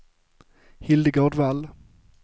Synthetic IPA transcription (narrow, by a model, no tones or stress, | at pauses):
hɪld̪əɡoːɖval